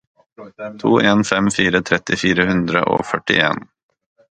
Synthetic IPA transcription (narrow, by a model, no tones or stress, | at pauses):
t̪ʰoːʔeːnfɛmfiːɾət̪ʰɾɛt̪ːɪfiːɾəɦɵnd̪ɾə̰ʔɔ̰fœʈːɪ̰ḛːn